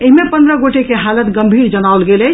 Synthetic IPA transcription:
eɦimepənd̪ɾəɡoʈekeɦalət̪ɡəmbʱiɾd͡ʒənawlɡelɛ

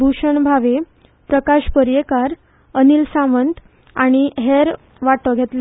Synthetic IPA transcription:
bʱuɕəɳbʱaʋe | pɾəkaɕpəɾjekaɾ | əniːlsãmənt̪ | aɽ̃iɦeɾ | ʋaʈəɡʱet̪l

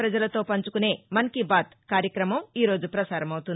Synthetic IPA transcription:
ɾɐd͡ʒɐlɐt̪o̞ːpɐɲt͡ʃukune̞ːmɐnkibaːt̪kaːɾjɐkɾɐmɐmiːɾo̞ːd͡ʒupɾɐsaːɾɐmɐwut̪un

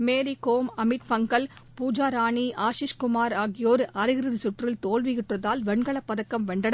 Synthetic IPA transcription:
meːɾikoːmɐmɪʈfɐŋɡɐlpuːd͡ʒaːɾaːɳiʔaːʃɪʂkʊmaːɾaːɣɪjoːɾɐɾɪɣɪɾɯðɪsʊʈrɪlt̪oːlʋɪɣɪʈrɐðaːlʋɛɳɡɐɭɐpːɐðɐkːɐmʋɛɳɖɐɽɐ

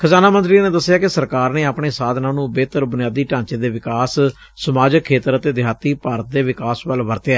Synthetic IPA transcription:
kʰəzaːnaːmənt̪ɾiːneːd̪əsːɪjaːkɪsəɾkaːɾneːapɳeːsaːd̪nãːnũːbeːt̪əɾbʊnjaːd̪iːʈãːɲt͡ʃeːd̪eːʋɪkaːsː | əmaːd͡ʒəkʰːeːt̪əɾət̪eːd̪ɪjaːt̪iːpaːɾət̪̚d̪eːʋɪkaːsʋəlʋəɾt̪eɛː

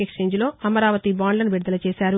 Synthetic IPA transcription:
ekʂe̞ːɲd͡ʒlo̞ːɐmɐɾaːʋɐt̪ibaːnlɐnʋiɽɐd̪ɐlɐt͡ʃeːsaːɾu

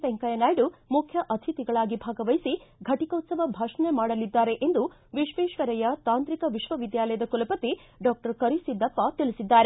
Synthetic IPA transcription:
sɛŋkɐjɐnaːjɖumukʰjɐʔɐt̪ʰit̪iɡɐɭaːɡibʱaːɡɐʋɐjsiɡʱɐʈikɐut̪sɐʋɐbʱaːʂɐnemaːɽɐlid̪ːaːɾe̞ʔe̞nd̪u | ʋiʃʋeːʃʋɐɾɐjɐt̪aːnt̪ɾikɐʋiʃʋɐʋid̪jaːlɐjɐd̪ɐkulɐpɐt̪iɖɔːk̚ʈɐɾkɐɾisid̪ːɐpːɐt̪ilisid̪ːaːɾe

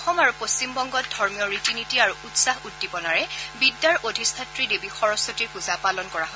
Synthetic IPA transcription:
ɔxɔmaɹupost͡ɕimbɔŋɡɔt̚dʱɔɹmijɔɹitinitiaɹuutsaɦutːipɔnaɹɛbidːaɹʔodʱistʰatɹidebixɔɹɔsɔtiɹkuzapalɔnkɔɹaɦo

